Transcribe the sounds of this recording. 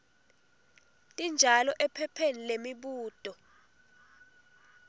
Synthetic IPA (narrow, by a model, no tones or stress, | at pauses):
tʼind͡ʒʱalɔʔɛpʰɛpʰenilemiɓuːd̥ʱʼɔ